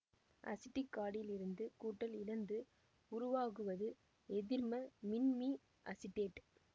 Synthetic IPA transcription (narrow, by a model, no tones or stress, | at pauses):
ʔɐ̰sɪʈːɪkːaːɽɪlɪɾɯnd̪ɯkuːʈːɐlɪlɐnd̪ɯ | ʊɾʊʋaːɣɯʋɐðɯ | ɛðɪɾmɐmɪnmi | ʔɐsɪʈːeːʈ